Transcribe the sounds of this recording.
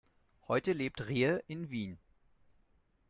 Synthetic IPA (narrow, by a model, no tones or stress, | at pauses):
hɔʏtəleːp̚tʁeːəʔɪnviːn